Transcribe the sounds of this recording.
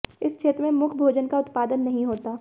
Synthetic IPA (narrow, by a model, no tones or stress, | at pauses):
ɪst͡ʃʰeːt̪ɾəmẽmʊkʰbʱoːd͡ʒənkaʊt̪paːd̪ənːɐɦĩɦoːt̪aː